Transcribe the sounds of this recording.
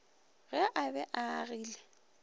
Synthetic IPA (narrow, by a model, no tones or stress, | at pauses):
ɣɛʔabɛʔaɣiːlɛ